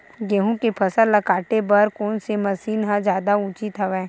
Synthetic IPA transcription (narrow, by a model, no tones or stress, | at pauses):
ɡeːɦũkepʰɐsəlɐkaːʈebɐɾkɔːnsemɐsiːnɦãd͡ʒjaːd̪aʊt͡ʃɪt̪ɦəʋɛ̃ː